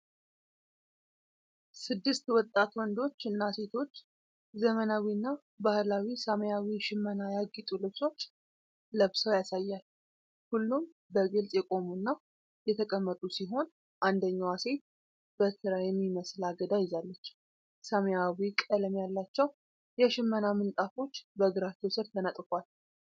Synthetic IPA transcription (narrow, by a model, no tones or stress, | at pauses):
sɨd̪ːɨst̪wɔt̪ʼːat̪wɔnd̪o̞t͡ʃːɨnːase̞t̪ʰo̞t͡ʃː | zəmənawinːa | bahlawisaməjawiʃɪmːənajaɡit̪ʼulɨβso̞t͡ʃː | ləβsəwjasajːal | hulːum | bəɡɨlsʼjɛkʼo̞munːa | jɛt̪ʰəkʼəmːət̪ʼusiɦo̞n | ʔand̪əɲːawase̞t̪̚ | b̥ət̪ʰɨɾajɛmːiməslaɡəd̪ajɪzalːət͡ʃː | saməjawikʼələmjalːat͡ʃːɛw | jɛʃɪmːənamɨnt̪ʼafo̞t͡ʃːbəɡɨɾat͡ʃ̪ːewsɨɾt̪ʰənət̪ʼkʷal